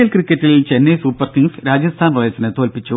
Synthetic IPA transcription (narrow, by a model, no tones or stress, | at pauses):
ɐlkrikʲːɐtːilt͡ɕenːesuːpːɐrk̪iŋsɾaːd͡ʑɐst̪ʰaːnroːjɐsinɨt̪o̞ːlpit͡ɕːu